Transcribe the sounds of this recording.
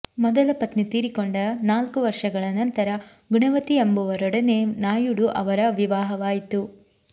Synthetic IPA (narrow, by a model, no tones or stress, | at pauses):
mɔd̪ɐlɐpɐt̪nit̪iːɾikoɳɖɐnaːlkuʋɐɾʂɐɡɐɭɐnɐnt̪ɐɾɐ | ɡuɳɐʋɐt̪iembuʋɐɾɔɽɐnenaːjuɽuʔɐʋɐɾɐʋiʋaːɦɐʋaːjit̪u